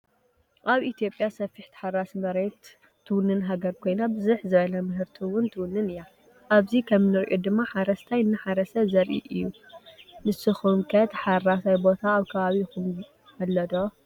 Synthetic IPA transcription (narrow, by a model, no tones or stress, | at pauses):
ʔaβit̪ijo̞pʼjasɐfːiħt̪ʰɨ̥ħaɾasmɐɾet̪ʰː | ɨwʊnːɨnɦaɡɐɾkʰo̞jnabɨzuħzɨβɐlɐmɨɦɨɾt̪ʰiwʊnt̪ʰɨwʊnːɨnɨja | ʔaβzikʰɐmnɨɾʔod̪ɨmːaħaɾɐst̪ʰajɨnːɨħaɾɐsɐzɐɾʔḭʔɨjːu | mɨsɨxumkʰɐt̪ħaɾasajbo̞t̪ʰaːβkʰɐβaβixum | hɐlːɐd̪o